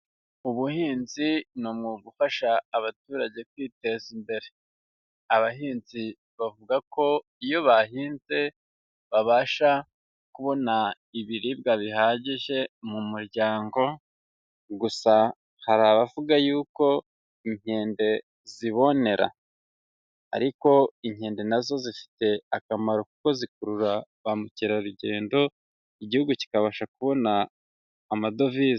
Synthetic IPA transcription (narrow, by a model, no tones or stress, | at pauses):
uβuhiːnzinomŋuɡufaʃaːβatuːɾaɟe̞kwiːte̞ːzimbe̞ɾe̞ | aβaɦiːnzi | βavuɡako̞ | ijo̞βaɦiːnze̞ | βaβaːʃa | kuβo̞na | iβiɾibɡaβiɦaɟiʒe̞mumuɾɟaːŋɡo̞ | ɡusa | haɾaβavuɡajuːko̞ | iɲ̥e̞ːnde̞ | ziβo̞ne̞ɾa̰ | a̰ɾiko̞iɲhe̞ːnde̞nazo̞zifi̥te̞akamaɾo̞kuko̞zikuɾuɾaβamuciɾaɾuɟe̞ːndo̞ | iɟihuɡuci̥kaβaːʃakuβo̞naː | mado̞viːz